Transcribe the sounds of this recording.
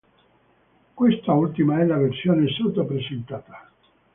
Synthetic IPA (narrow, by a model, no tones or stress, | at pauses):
kwest̪ault̪imaɛlaversjoːnesat̪apɾesent̪aːt̪ḁ